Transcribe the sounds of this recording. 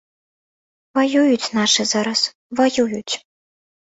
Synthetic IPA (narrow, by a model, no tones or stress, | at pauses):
vajujut͡sʲnaʂɨzaɾɐs | vajujut͡sʲ